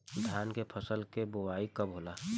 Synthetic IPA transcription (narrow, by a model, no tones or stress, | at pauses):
d̪ʱjaːnkepʰəsəlkebowaːikəbɦolaː